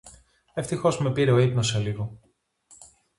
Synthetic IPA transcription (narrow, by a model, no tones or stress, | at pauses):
eft̪ixo̞zme̞piɾeo̞ipnoseliɣo